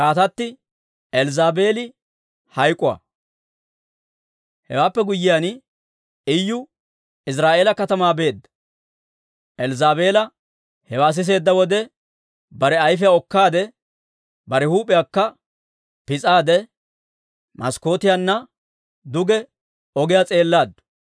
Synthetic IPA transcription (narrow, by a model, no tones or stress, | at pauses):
kaːt̪ɐt̪ːɪ | ɛlzaːbeːlɪ | hɐjkʼʊwa̰ | hɛ̰waːpːɛɡʊjːɪjan | ɪjːʊ | ɪs̬ɾaːʔe̞ːlɐkɐt̪ɐmaːbe̞ːd̪ːɐ̥ | ʔɛlzaːbe̞ːlɐ | hɛwaːs̬ɪs̬e̞ːd̪ːɐwɔd̪ɛ | bɐɾɛɐjfɛjaɔkːaːd̪ɛ | bɐɾɛhuːpʼːɪjaːkːɐ | pɪt͡sʼaːd̪ɛ | mʔɐsko̞ːt̪ɪjanːɐ | d̪ʊɡɛ | ɔɡɪjat͡sʼe̞ːlːaːd̪ːʊ̥